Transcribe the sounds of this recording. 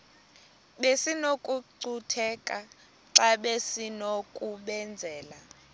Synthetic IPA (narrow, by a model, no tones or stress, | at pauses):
ɓesinokʼuǀutʰɛkʼa | ǁaɓesinokʼuɓɛnd͡zʱɛːla